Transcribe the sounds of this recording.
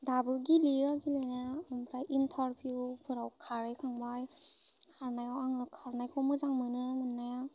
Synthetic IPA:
dabɯɡiliaɡilɯnaɯmbɾajʔintʰaɾbjubʰɯɾawkʰaɾɯjkʰaŋbajkʰaɾnajawaŋlɯkʰaɾnajkʰɔwmɯzaŋmɯnɯmɯnːaja

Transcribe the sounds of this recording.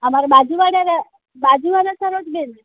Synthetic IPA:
əmaɾabad͡ʒuʋaɽaɾa | bad͡ʒuʋaɽasəɾoʈben

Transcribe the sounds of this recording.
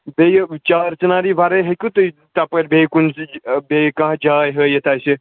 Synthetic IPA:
bʱejt͡ʃaːɾt͡ʃɐnaːɾiʋaɾəɦekʲut̪ət̪apəɾbʱekunsbʱekãɦd͡ʒaːjɦəjət̪aːjse

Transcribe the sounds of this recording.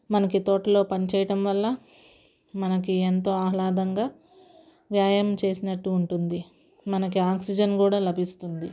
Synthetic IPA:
mɐnɐkit̪oːʈɐlo̞ːpɐnit͡ʃɛːjɐʈɐmʋɐlːɐ | mɐnɐkient̪o̞ːaːlaːd̪ɐŋɡaː | ʋjaːjɐmt͡ʃe̞ːsinɐʈːuːɳʈund̪i | mɐnɐkiaːksid͡ʒɐnkuːɽaːlɐbʱist̪und̪i

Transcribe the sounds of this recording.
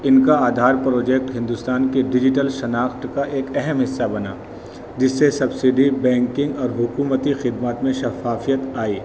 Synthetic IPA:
ɪnkaaːd̪ʱaːɾpɾoːd͡ʒɛk̚ʈɦɪ̃nd̪ʊst̪aːnkeɖɪd͡ʒɪʈəlʃɐnaːxt̪kaʔeːkɛɦɛmɦɪsːabɐna̰ː | d͡ʒɪsːesɐbsɪɖibɛ̃ːŋkɪ̃ŋɡɔːɾɦʊkuːmət̪ixɪd̪maːt̪mẽʃɐfaːfijət̪aːiː

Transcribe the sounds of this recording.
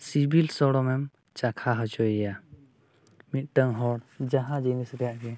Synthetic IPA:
sibilsɔɽɔmɛm | t͡ʃakʰaɦɔd͡ʒɔjɛja | mit̪̚ˀʈəŋɦɔɽd͡ʒaɦãd͡ʒijnisɾɛjaʔɡɛ

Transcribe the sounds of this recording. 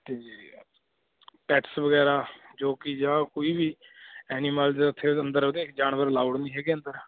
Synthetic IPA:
t̪eːd͡ʒiː | pɛːʈsʋəɡɛːɾaːd͡ʒoːkɪd͡ʒãːkoːiːbiːɛːniːmaːld͡ʒ̪eʊt̪ʰːeːənd̪əɾoːd̪eːkd͡ʒaːnʋəɾlaːuɽnĩːɦɛːɡeːənd̪əɾ

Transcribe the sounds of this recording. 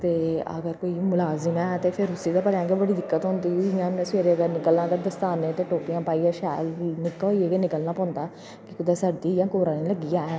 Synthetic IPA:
t̪eːə̰ɡəɾkoːiːmʊlaːzɪmɛ̃ːt̪eːpʰɪɾʊsiːd̪aːpəljãːɡebəɽiːd̪ɪkːət̪ɦʊ̃ːnd̪iːɪjãːẽːsʋeːɾeːɡ̪aːnɪkəlnãːd̪aːd̪əst̪aːnːẽːt̪eːʈoːpijãːpaːiaːʃɛːlnɪkːieːɡenɪkəlnãːpɔ̃ːnd̪aː | kɪkʊd̪aːsad̪iːɪjãːkoːɾãːneːləɡɪjaːɛː

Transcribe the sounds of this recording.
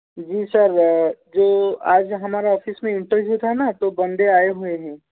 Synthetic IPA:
d͡ʒiːsɐɾd͡ʒoːaːd͡ʒɦɐmaːɾaɔːfismẽɪ̃ɳʈəɾʋjut̪ʰanat̪obɐ̃nd̪eaːeɦueɦɛ̃ː

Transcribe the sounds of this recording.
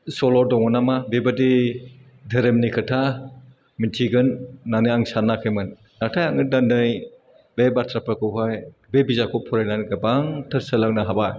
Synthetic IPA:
sɔlɔɾdɔŋɔnamabebadi | dʱɯɾemnikʰɯtʰa | mintʰiɡɯnːanɯjaŋsanakʰɯjmɯn | natʰajaŋɯdandɯj | bebatʰɾapɾakʰɯɦaj | bebizakʰɔpʰɔɾajnanɡɯbaŋtʰɐɾsalaŋnaɦabaj

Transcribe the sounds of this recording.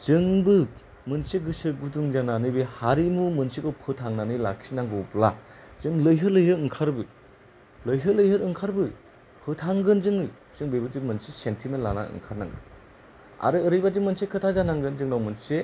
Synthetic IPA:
t͡ʃɯŋbɯ | mɯnseɡɯsɯɡuduŋzananɯjbehaɾimumɯnsikɯwpʰɯtʰaŋnanɯjla̰ksinaŋɡupla | zɯŋlɯjɦɯlɯjɦɯɾɯŋkʰaɾbɯ | lɯjɦɯlɯjhɯɾɯŋkʰaɾbɯ | pʰɯtʰaŋɡɯnzɯŋɯ | zɯŋbejbɯd͡ʒimɯnsisentʰimenlana̰ɯ̰ŋkʰaɾna̰ŋɡɯ̰ | a̰ɾɯːɾɯjbad͡ʒimɯnsekʰɯtʰazanaŋɡɯnzɯŋnawmɯnse

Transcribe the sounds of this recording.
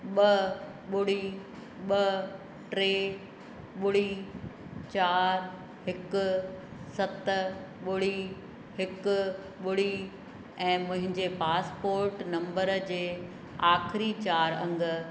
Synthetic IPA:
ɓɐ | ɓʊɽi | ɓɐ | ʈɾeː | ɓʊɽi | t͡ɕaːɾ | ɦɪkʊ̆sɐt̪ɓʊɽi | ɦɪkʊ̆ | ɓʊɽi | ɛ̃ːmʊ̃ɦɪ̃ɲd͡ʑepaːspoːɾʈnɐ̃mbəɾəd͡ʑeː | aːxɪɾit͡ɕaːɾɐ̃ŋɡə̆

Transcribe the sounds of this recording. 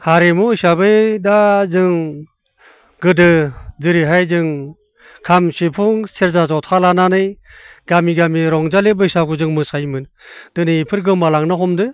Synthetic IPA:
haɾemusabɯjdazɯŋ | ɡɯdɯzɯɾiɦajzɯŋ | kʰamsipʰuŋseɾzazɔwtʰalananɯjɡamiɡamiɾɔŋzalebɯisakʰuzɯŋmɯsajmɯnd̥ɯniipʰɯɾɡɯmalaŋnaɦɔmdɯ

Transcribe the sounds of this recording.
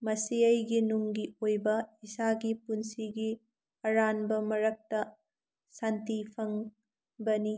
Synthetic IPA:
mɐsiɐjɡinuŋɡiojbɐisaɡipunsiɡi | ɐɾanbɐmɐɾɐk̚tɐ | santipʰɐŋ | bɐni

